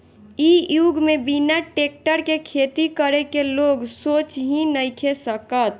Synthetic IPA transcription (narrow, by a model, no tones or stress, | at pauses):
ijuɡmebinaʈek̚ʈəɾkekʰet̪ikəɾekeloɡsot͡ʃɦĩnəjkʰesəkət̪̚